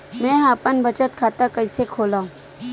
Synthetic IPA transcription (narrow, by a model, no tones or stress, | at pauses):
mɛ̃ːɦaːpənbət͡ʃət̪kʰaːt̪akəɪsekʰoːlãːũ